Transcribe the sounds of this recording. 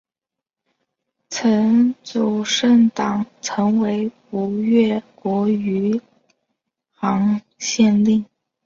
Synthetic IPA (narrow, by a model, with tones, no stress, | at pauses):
t͡sʰə˧˥nt͡su˨˩ʂə˥˩ŋt̪ɑ˨˩ŋt͡sʰɤ˧˥ŋwe˧˥ɪpu˧˥ɥɛ˥˩kwɔ˧˥y˧˥ | xɑ˧˥ŋ | ɕjɛ˥˧nli˥˩ŋ